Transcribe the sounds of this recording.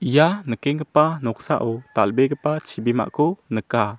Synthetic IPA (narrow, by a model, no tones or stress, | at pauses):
ʔijanəkɛŋɡəpanɔk̚saʔɔt̪albɛɡəpat͡ʃʰibima̰ʔkʰunəka